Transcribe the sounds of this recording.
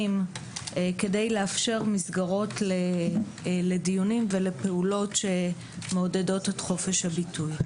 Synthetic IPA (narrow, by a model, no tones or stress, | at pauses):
m | ke̞de̞jleafʃe̞ʁmisɡaʁo̞tle | ledijunimvele̞pe̞ulo̞tʃe̞ | meodedo̞tetχo̞fe̞ʃhabitʰuj